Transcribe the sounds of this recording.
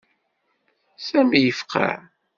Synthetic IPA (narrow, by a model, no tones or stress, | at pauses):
sæmijəfqʰa̰